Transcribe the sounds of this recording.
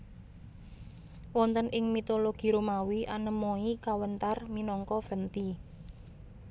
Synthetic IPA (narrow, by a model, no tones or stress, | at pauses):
wɔnt̪ənʔɪŋmit̪oloɡ̥i̤ɾumawiʔanəmoikawənt̪arminɔŋkɔfənt̪i